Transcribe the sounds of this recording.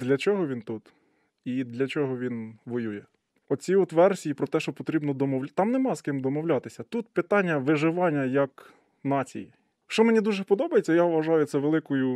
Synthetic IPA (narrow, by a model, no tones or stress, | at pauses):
d̪lʲɐt͡ʃɔɦɔʋʲint̪ut̪ | id̪lʲɐt͡ʃɔɦɔʋʲinʋɔjujɛ | ɔt͡sʲiɔt̪ʋɛrsʲijipɾɔt̪ɛʃt͡ʃɔpɔt̪ɾʲibnɔd̪ɔmɔwlʲt̪ɑmnemɑskɪmd̪ɔmɔwlʲɑt̪ɪsʲɐt̪ut̪pɪt̪ɑnʲːɐʋɪʒɪʋɑnʲːɐjɐk | nɑt͡sʲḭji | ʃt͡ʃɔmenʲid̪uʒɛpɔd̪ɔbɐjet͡sʲːɐjaʋʋɐʒɑjʊtsɛʋelˠɪkʊjʊ